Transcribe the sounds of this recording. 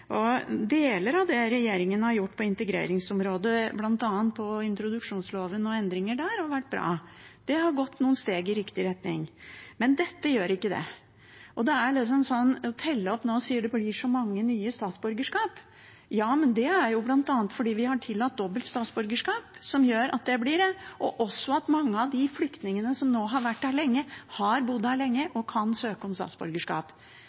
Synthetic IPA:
ʔɔd̪eːləɾɑʋd̪ɛɾɛjeːɾɪŋənəhɑɾjʊʈːpʰɔɪnt̪əɡɾḛːɾɪŋsɔmɾoːd̪əblɑnt̪ɑːənt̪̚pʰɔɪnt̪ɾʊd̪ʉkʂuːnsloːʋənɔɛnd̪ɾɪŋəɖæːɾhɑɾʋæʈ̚ːbɾɑ̰ːd̪̥ɛhɑɾɡɔt̪ːnuːənst̪eːɡɪɾɪkt̪ɪɾɛt̪nɪ̰ŋmɛnd̪ɛt̪ːəjøːɾɪkːəd̪ɛ̰ | ʔɔd̪ɛæɭɪt̪s̬ɔmsɔnːɔt̪ʰɛlːəɔpnoːsiːəɖɛblɪʂɔmɑŋːənyːəst̪ɑːt̪sbʉɾɡəʂkɑːp | jɑːmɛnd̪ɛæɾjʊblɑnt̪ɑːnət̪fɔɖiːʋɪhɑʈʰɪlːɑt̪̚d̪ɔbəlt̪st̪ɑːt̪sbʉɾɡəʂkɑːpsɔmjøːɾɑ̰t̪̚d̪ɛblɪɖɛʔɔʔɔsːɔɑt̪mɑŋːəɑʋd̪ɪflʏkt̪nɪŋənəsɔmnoːɦɑɾʋæʈːæːɭɛŋːəhɑɾbʊd̪hæːɾɭɛŋːəʔɔkʰɑnsøːkəɔmst̪ɑ̰ːt̪sbʉ̰ɾɡəʂkɑ̰ːp

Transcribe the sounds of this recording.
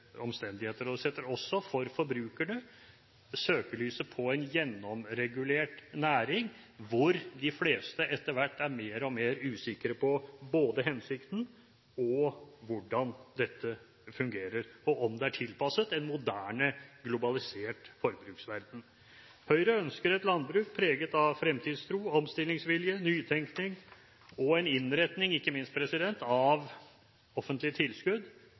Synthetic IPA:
ɔmst̪ɛnd̪ɪheːt̪əɾɔd̪ɛsɛt̪əɾɔsːɔfɔɾfɔɾbɾʉːkæɳə | søːkəɭyːsəpʰɔɛɪnjɛnːɔmɾɛɡʉleːʈnæːɾɪŋ | ʋʊɾd̪ɪfleːst̪əʔɛt̪ːəɾʋæʈːæɾmeːɾɔmeːɾʉːsɪkəɾəpʰɔboːd̪əɦɛnsɪkt̪n̩ | ɔʋʊɖɑnd̪ɛt̪ʰːə | fʉŋɡeːɾəɾɔʔɔmd̪ɛæʈʰɪlpɑsət̪ɛnmʊd̪æːɳəɡlʊbɑlɪseːʈfɔɾbɾʉːksʋæɾd̪n̩ | hœʏɾəœnskəɾɛt̪lɑnd̪bɾʉːk̚pʰɾeːɡət̪ɑʋfɾɛmt̪ʰiːd̪st̪ʰɾuːɔmst̪ɪlɪŋsʋɪljənyːt̪ʰɛŋknɪŋ | ɔɛnɪnɾɛt̪nɪŋɪkːəmɪnst̪̚pʰɾɛsɪd̪ɛnt̪ɑʋ | ɔfənt̪lɪət̪ʰɪlskʉd̪

